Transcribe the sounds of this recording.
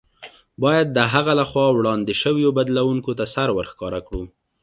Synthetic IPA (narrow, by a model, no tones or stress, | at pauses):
bɑjad̪̚ːəɦaɣalaxwɑwɽɑnd̪ɪʃəwjobad̪lawuŋkot̪asaɾwəɾxkɑɾakɽu